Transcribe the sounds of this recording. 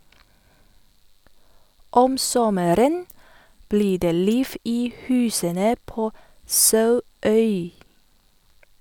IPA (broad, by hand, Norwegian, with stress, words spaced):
ˈɔm ˈsɔməɾən ˈbliː ˈdeː ˈliːf ˈiː ˈhʉːsənə ˈpoː ˈsɑʉˌœʏ